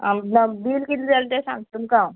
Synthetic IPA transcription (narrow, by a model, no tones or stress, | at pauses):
anabiːlkit̪d͡zalt̪esã̰ŋɡt̪umkã